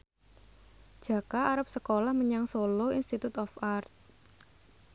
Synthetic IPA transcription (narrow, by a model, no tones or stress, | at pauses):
d̥ʒ̥ä̤kaʔːɾap̚səkolahməɲaŋsoloinst̪it̪ut̪ɔfart̪̚